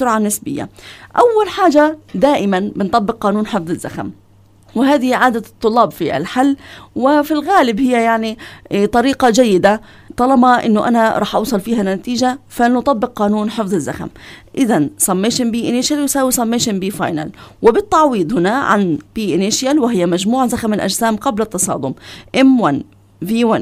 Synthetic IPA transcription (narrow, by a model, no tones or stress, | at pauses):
ʊɾʕanɪsbɪjːa̰ʔawːalħaːd͡ʒad̪aːʔɪmanbɪnt̪ˤɑbːɪqqɑːnuːnħɪfðˤɪzːa̰xa̰m | wɪɦaːðɪhiʕaːd̪at̪ˤːʊlːɑːbfiʔa̰lħalːwɪfilɣaːlɪbhɪjːajaʕnit̪ˤɑɾiːqɑd͡ʒajːɪd̪a | t̪ˤɑlɑbɑʔɪ̰nːʊʔa̰naɾˤɑːħʔɑ̰wsˤɑlfiːhanat̪iːd͡ʒafanʊt̪ˤɑbːɪq̚qɑːnuːnħɪfðˤɪzːaxa̰mʔɪðansˤɑmːeːʃɪmbiːʔɪnɪʃjaljɪsaːwisˤɑmːeːʃɪnbiːfɑ̰ːjna̰lwɪbɪt̪ːɑʕwiːd̪ˤhɪnaʕa̰nb̥iːʔɪnɪʃjalwɪɦɪjːamad͡ʒmuːʕazaxamɪlʔa̰d͡ʒsaːmqɑblat̪ːɑsˤɑ̰ːd̪ˤʊmʔɪmwan | viːwan